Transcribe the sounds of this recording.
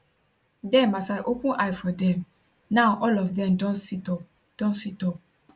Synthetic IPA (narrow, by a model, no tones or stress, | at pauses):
dɛ̃masaɪʔopũnʔajfɔdɛ̃m | nãʊʔɔlɔfdɛ̃mdɔ̃nsitɔ | d̥õnsitɔp̚